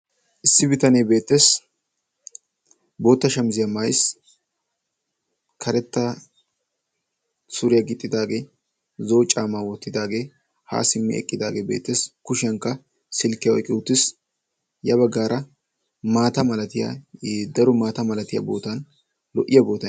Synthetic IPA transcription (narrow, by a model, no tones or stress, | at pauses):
ʔɪsːɪbɪt̪ɐneːbe̞ːt̪ːeːs | bo̞ːt̪ːɐʃɐmzɪjɐmajs | kʰɐɾɛt̪ːɐ | sʊɾɪjɐɡɪt̪ʼːɪd̪aːɡe̞ː | zo̞ːt͡ʃʼaːmaːwɔt̪ːɪd̪aːɡe̞ː | ha̰ːsɪmːɛ̰ɛ̰kʼːɪd̪aːɡeːbe̞̰ːt̪ːe̞ːskʊʃɪjɐŋkːɐ | sɪlkːɪjɐʔɔ̰kʼːɪʊt̪ːɪs | jɐbɐɡːaːɾʔɐ | maːt̪ɐmɐlɐt̪ɪja̰ːd̪ɐɾʊmaːt̪ɐmɐlɐt̪ɪjɐ̰bo̞ːt̪ɐn | lɔʔɪjɐbo̞ːt̪ːɐ